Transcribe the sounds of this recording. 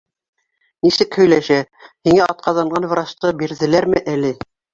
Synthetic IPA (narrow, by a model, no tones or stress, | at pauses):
nisɘkhɵ̆jlæʃæhiŋæʔɑt̪̚qʰɑðɑɴɢɑnvɾɑst̪ɤbiɾðɘ̆læɾmɘʔælɘ